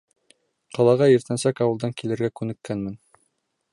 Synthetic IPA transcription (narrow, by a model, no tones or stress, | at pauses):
qɑlˠɑʁɑjɘ̆ɾt̪ænsækɑwɤ̆ld̪ɑŋkilɘ̆ɾɡækʉnɘ̆kːænmɘn